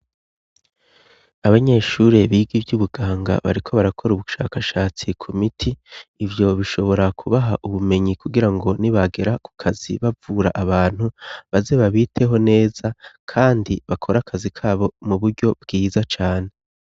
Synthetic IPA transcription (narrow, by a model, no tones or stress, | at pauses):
aβaɲe̞ʃuɾe̞βiːɡibɟuβuɡaːŋɡa̰βa̰ɾikʰo̞βaɾakʰo̞ɾuβuʃa̰ːkaʃaːt͡sikʰumitʰiːvjo̞βiʃo̞βo̞ɾakʰuβaɦaʔuβume̞ɲikuɡiɾaŋɡo̞niβaɡe̞ɾaku̥kʰaz̥ḭβavuɾaʔaβaːn̥huβaze̞βaβitʰe̞ɦo̞ne̞ːz̥akʰaːndiβakʰo̞ɾakʰazikʰaːβo̞muβuɾɟo̞bɡiːzat͡ʃaːne̞